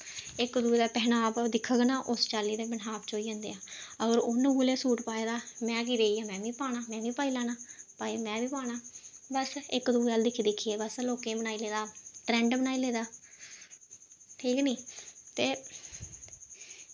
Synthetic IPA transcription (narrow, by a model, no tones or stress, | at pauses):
ɪkd̪uːd̪aːpɛɦnaːpd̪ɪkʰəɡnãːʔʊst͡ʃaːliːd̪eːbənɦaːpt͡ʃoːiːə̃ːnd̪ḛːãːəɡəɾʊnɡuːleːsuːʈpaːeːd̪aːmɛ̃ːk̬iːɾeːiːãːmɛ̃ːʋĩːpaːnaːmɛ̃ːʋĩːpaːiːlaːnaːpaːemɛ̃ːʋiːpaːɽaːbəsɪkd̪uːaːld̪ɪkʰid̪ɪkʰːieːbəsloːkẽːbənaːiːleːd̪aːʈɾɛ̃ːɳɖbənaːiːleːd̪aː | ʈʰiːkniːt̪eː